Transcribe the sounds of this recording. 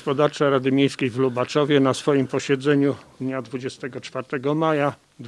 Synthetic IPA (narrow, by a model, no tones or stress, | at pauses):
spɔd̪aɾt͡ʂaɾad̪ɘmʲjejskʲejvlubat͡ʂɔvʲjɛnasfɔjimpɔɕɛd̪zɛɲud̪ɲad̪vud͡ʑɛst̪ɛɡɔt͡ʂfaɾt̪ɛɡɔmaja | d̪